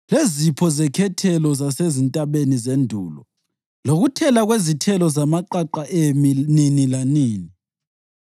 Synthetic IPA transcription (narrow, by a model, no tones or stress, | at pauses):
lezipʰɔzɛkʰɛtʰɛlɔzasezintʼaβenizendʱṵːlɔ | loɣutʰɛlaɣwezitʰɛlɔzamaǃaǃaʔemininilaniːni